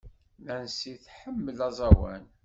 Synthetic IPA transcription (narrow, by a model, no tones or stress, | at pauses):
nænsiθħəmːəlɑzˤɑwæ̰n